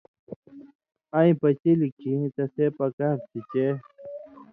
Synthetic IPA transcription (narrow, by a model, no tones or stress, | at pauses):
ãĩpɐt͡ɕilikʰit̪ɐsepɐkaɾtit͡ɕe